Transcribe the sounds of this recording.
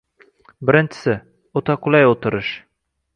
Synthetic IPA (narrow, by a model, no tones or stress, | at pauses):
bɘ̆ɾɘ̆nt͡ʃɘ̥̆sɘ | ut̪ɑqulˠɑjut̪ɤ̆ɾɤʃ